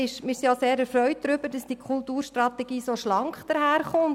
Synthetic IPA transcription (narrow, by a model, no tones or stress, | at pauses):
ɪʃmɪsijoseːɾɛɾfɾœʏt̚d̥ɾʏb̥əɾd̥ɑsd̥iːkʰχultuːɾʃtɾɑt̪ɛɡ̥iːsoʃlɑŋkχd̥əɾɦæːɾχʊn